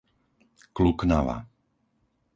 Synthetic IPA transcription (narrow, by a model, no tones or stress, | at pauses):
klukna̰ʋa̰